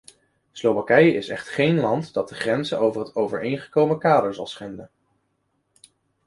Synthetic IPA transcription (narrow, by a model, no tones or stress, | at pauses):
slowʋakɛjəʔɪsɛ̰χtχejnlɑntdɑt̚dəχrɛnzəʔowvəɹɦətowvəɹejnχə̥kowməkaːdəɹzɑ̰lˠsχɛndən